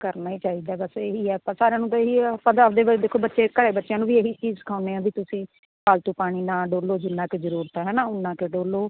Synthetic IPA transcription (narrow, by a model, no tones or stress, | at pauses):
kəɾnaːiːt͡ʃaːiːd̪aːbəseːɦiːɛːpãːsaːɾejãːnũːt̪eiːpãːəd̪eːʋd̪eːkʰoːbətːʃeːkəɽeːbətːʃjãːnũːʋiːeɦiːt͡ʃiːzkʰaːʊneːãːbiːt̪ʊsĩː | paːlt̪uːpaːɽ̃iːnãːɖoːloːd͡ʒɪnːãːkezəɾuːɾt̪ɛːɦɛːnãːʊnːãːkeɖoːloː